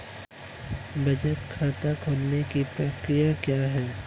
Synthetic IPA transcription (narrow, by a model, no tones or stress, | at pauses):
bʱɐd͡ʒət̪kʰaːt̪akʰoːlnekipɾɐkɾijakjaːɦɛː